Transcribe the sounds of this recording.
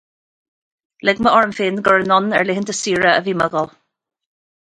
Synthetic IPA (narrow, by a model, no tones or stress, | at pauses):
lɪɡməʔɔɹəmfɪːnɡəɹənɔnɛ̰ɹlɪɦənt̪əsiːɹəə̰viːməɡəlˠ